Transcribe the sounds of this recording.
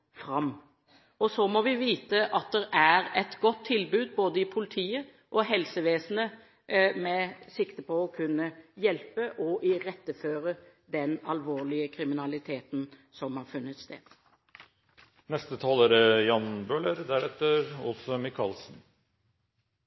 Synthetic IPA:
fɾɑm | ɔsɔmɔʋɪʋiːt̪əʔɑt̪̚d̪ɛɾæɾɛt̪ɡɔt̪ʰːɪlbʉːd̪̚boːd̪əɪpʰʊlɪt̪ʰiːə | ʔɔɦɛlsəʋeːsn̩ə | mɛsɪkt̪əpʰɔɔkʰʉnːəjɛlpəʔɔʔɪɾɛt̪ːəføːɾəd̪ɛnɑlʋoːʁlɪəkʰɾɪmɪnɑlɪt̪ʰeːt̪nsɔmhɑɾfʉnːət̪st̪ḛːd̪̥ | nɛst̪ət̪ʰɑːləɾəjɑnbøːləɾd̪æɾɛt̪ːəɾɔ̰lsɔmɪkʰɑlsn̩

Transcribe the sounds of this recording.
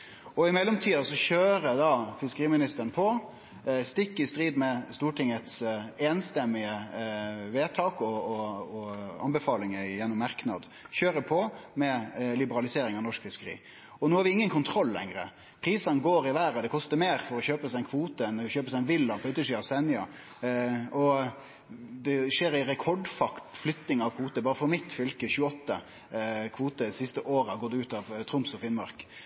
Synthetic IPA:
ɔɪmɛlːɔmt̪ʰiːɑsɔçøːɾəd̪ɑfɪskəɾiːmɪnɪst̪əɾənpʰɔ | st̪ɪkːɪst̪ɾiːd̪mɛst̪uːʈʰɪŋət̪seːnst̪ɛmːɪə | ʋeːt̪ʰɑːkɔɔɔɑ̰nbəfɑːlɪŋəjɛnːʊmːɑɾknɑ̰d̪ | çøːɾəpʰɔmɛlɪbəɾɑlɪseːɾɪŋɑʋnɔʂkfɪskəɾḭː | ɔnuːhɑɾʋɪɪŋːənkʰʊnt̪ʰɾɔlːɛ̰ŋɾə̰ | pʰɾiːsɑnɡoːɾɪʋæːɾəd̪ɛkʰɔst̪əɾmeːɾfɔɾɔçøːpəsæɪnkʰʋuːt̪əɛnçøːpəsæɪnʋɪlːɑpʰɔʉːt̪ːəʂyːɑʋsɛnɪɑ | ɔ | d̪ɛʂeːɾɪɾɛkʰɔɖfɑkt̪flʏt̪nɪŋɑʋkʰʋuːt̪əbɑːɾəfɔɾmɪt̪fʏlkəçʉːəɔt̪ːə | kʰʋuːt̪əsɪst̪əʔoːɾəhɑɡɔːd̪ɛʉːt̪ɑʋt̪ʰɾʊmsɔfɪnmɑ̰ɾk

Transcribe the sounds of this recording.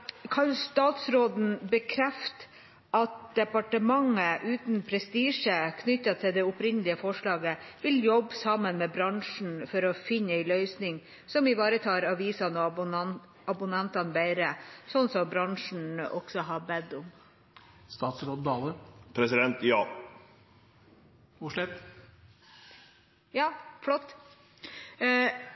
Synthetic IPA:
kʰɑnst̪ɑːt̪sɾoːd̪n̩bəkʰɾɛft̪ | ʔɑt̪̚d̪̥ɛpɑʈəmɑŋəʔʉːt̪npʰɾɛst̪iːʂəkʰnʏtːɑt̪ʰɪld̪ɛʊpɾɪnəlɪəfɔʂɭɑːɡəʋɪljɔbːsɑmːənmɛbɾɑŋʂn̩fɔɾɔfɪnːəɛɪlœʏsnɪŋ | sɔmɪʋɑːɾət̪ʰɑːɾɑʋiːsɑnɔ | ɑbʊnɛnt̪ɑnbæɪɾəsɔnsɔmbɾɑŋʂɳ̩ɔ̰ksɔɦɑbɛd̪ːʊm | st̪ɑːt̪sɾoːd̪̚d̪ɑːləpʰɾɛsɪd̪ɛnt̪jɑː | ʋʊʂlɛt̪ː | jɑːfɽɔt̪ː

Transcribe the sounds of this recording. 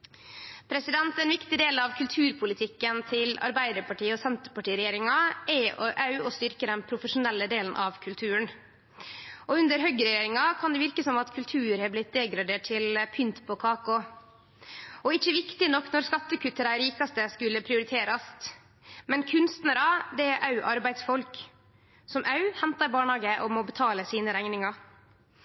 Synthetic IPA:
pʰɾɛsɪd̪ɛnt̪ɛnʋɪkt̪ɪd̪eːlɑʋkʰʉlt̪ʰʉːɾpʰʊlɪt̪ʰɪkːənt̪ʰɪlɑ̰ɾbæɪd̪əɾpɑʈiːɔsɛnt̪əɾpɑʈiːɾɛjeːɾɪŋɑʔɛɔʔɑʉɔst̪ʏɾkəd̪ɛnpʰɾʊfəʂʊnɛlːəd̪eːlən̩ʔɑʋkʰʉlt̪ʰʉːəɳ | ʔɔʉnd̪əɾɦœɡəɾɛjeːɾɪŋɑkʰɑnd̪ɛʋɪɾkəsɔmɑt̪kʰʉlt̪ʰʉːɾhɑːblɪt̪̚d̪eːɡɾɑd̪eːʈ̚ʈʰɪlpʰʏnt̪pʰɔkʰɑːkɔ | ɔɪçːəʋɪkt̪ɪnɔkːnɔɾskɑt̪ːəkʉt̪ːəd̪æɪɾiːkɑst̪əskʉlːəpʰɾɪʊɾɪt̪ʰeːɾɑst̪ | mɛnkʰʉnst̪nəɾɑd̪ɛæɾʔɑʉʔɑɾbæɪd̪sfɔlk | sɔmʔɑʉhɛnt̪ɑɾbɑːɳhɑːɡəʔɔmɔbət̪ʰɑːləsiːnəɾæɪnɪŋɑ

